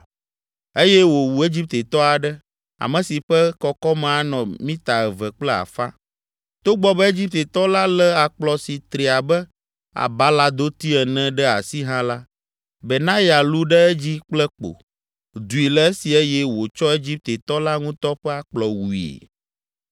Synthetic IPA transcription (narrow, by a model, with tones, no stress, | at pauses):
e˦jɛ˦wo˨wu˨e˦d͡ʑi˦p̚t̪e˨t̪ɔ˦a˨ɖɛ˦ | a̰˨mə̃˨si˨ɸɛ˦kɔ˦kɔ˦m̃˨a˦nɔ̃˨mĩ˦t̪a˨ɛ˨vɛ˨k͡plɛ˦a̰˨fa̰˦ | t̪o˦ɡ͡bɔ˦bɛ˦e˦d͡ʑi˦p̚t̪e˨t̪ɔ˦la˦lɛ˦a˨k͡plɔ˨si˨t̪ɾe˨a˨bɛ˦ | a̰˨ba˦la˦d̪o˦t̪i˦ɛ˨nɛ̃˦ɖɛ˦a̰˨si˦ɦã˦la˦ | bɛ˨nã˦ja˨lu˦ɖɛ˦ɛ˦d͡ʑi˦k͡plɛ˦k͡po̰˨ | d̪u˨i˨lɛ˦e˦si˨e˦jɛ˦wo˨t͡ʃɔ˦e˦d͡ʑi˦p̚t̪e˨t̪ɔ˦la˦ŋũ˦t̪ɔ˦ɸɛ˦a˨k͡plɔ˨wu˨ḛ˨